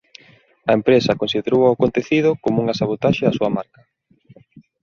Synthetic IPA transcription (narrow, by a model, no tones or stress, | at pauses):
ɐempɾesɐkonsiðeɾowɐʊkont̪eθið̞ʊkomuŋasaβ̞ot̪aʃeɐsuɐmaɾkɐ